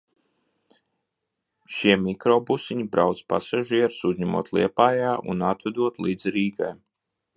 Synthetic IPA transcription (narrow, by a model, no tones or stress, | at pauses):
ʃiɛmikɾɔːbusiɲibɾawt̪spa̰saʒiɛɾsuzʲɲɛmṵɔt̪lˠiɛpaːjaːʔṵnat̪vɛd̪uɔt̪lˠiːd̪zɾiːɡaj